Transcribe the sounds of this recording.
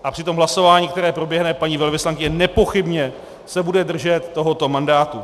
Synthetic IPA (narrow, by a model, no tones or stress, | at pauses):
ʔapr̥ɪt̪o̞mɦlaso̞vaːɲiːk̚t̪ɛɾɛːpɾo̞bjɛɦnɛpaɲiːvɛlvɪslaŋkɪɲɛnɛpo̞xɪbɲɛ | sɛbudɛdr̩ʒɛt̪ːo̞ɦo̞t̪o̞mandaːt̪u